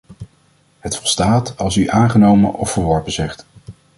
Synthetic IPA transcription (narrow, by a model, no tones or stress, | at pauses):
hətfɔlˠstaːtɑlˠsyʔaːnχənowmənʔɔfəɹʋɔɹpəzɛχt